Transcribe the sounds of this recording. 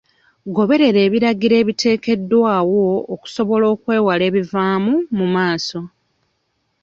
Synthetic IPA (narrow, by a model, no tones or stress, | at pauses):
ɡo̞βe̞ɾe̞ɾe̞ːβiɾaɡiɾe̞ːβitʰe̞ːke̞dːwaːwo̞ːku̥so̞βo̞lo̞ːkwe̞ːwale̞ːβivaːmumumaːso̞